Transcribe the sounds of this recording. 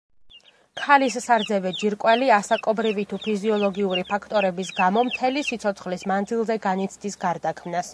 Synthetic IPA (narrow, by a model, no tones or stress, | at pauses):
kʰalisːaɾd̪zɛvɛd͡ʒiɾkʼwɛliasakʼɔbɾivit̪ʰupʰiziɔlˠɔɡiuɾipʰakʰt̪ʼɔɾɛbisɡamɔmt̪ʰɛlisit̪sʰɔt̪sʰχlismand̪zilˠzɛɡanit̪sʰd̪isɡaɾd̪akʰmnas